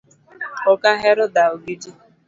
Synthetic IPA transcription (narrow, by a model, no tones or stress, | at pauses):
ʊkaɦeɾʊdaoɡidi